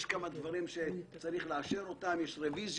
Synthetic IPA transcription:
ʃkamad̪vaʁimʃe̞t͡saʁiχleaʃeɾo̞t̪amjeʃʁeviz

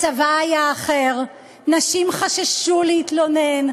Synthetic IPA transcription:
t͡savaːjaːχe̞ʁ | naʃimχaʃaʃuleit̪lone̞n

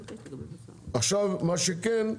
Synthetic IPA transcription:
aχʃavmaʃekɛn

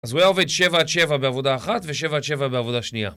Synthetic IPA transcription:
azuajao̞ved̪ʃe̞vaʃe̞vabeavo̞d̪aːχat̪veʃe̞vaʃe̞vabeavo̞d̪aʃnia̰

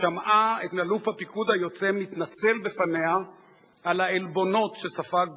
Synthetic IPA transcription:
amʔaet̪nalufhapikud̪hajo̞t͡se̞mit̪nat͡se̞lbefane̞a | alaelbo̞no̞t̪ʃesafak̚

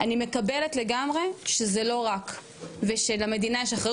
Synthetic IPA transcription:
ʔanime̞kabele̞tle̞ɡamʁe̞ʃezelo̞ʁak | veʃelame̞d̪inajeʃaχe

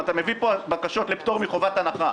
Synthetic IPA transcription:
at̪ame̞vipobakaʃo̞tlept̪o̞ʁmiχo̞vat̪anaχa

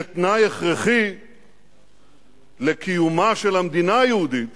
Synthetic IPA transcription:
t̪najeχʁeχi | lekijumaʃelamd̪inaajehud̪it̪

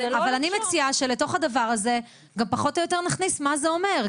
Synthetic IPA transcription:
avalanimet͡siaʃe̞leto̞χhadavaʁaze̞ | ɡampaχo̞tojote̞ʁnaχnismazeo̞me̞ʁ

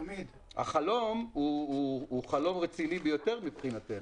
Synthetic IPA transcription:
mid̪ | ha̰χalo̞muuːχalo̞mʁet͡sinibejo̞te̞ʁmipχinat̪e

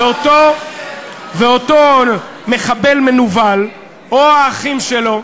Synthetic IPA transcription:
ot̪o | veoto | me̞χabe̞lmenuval | oaːχimʃelo̞

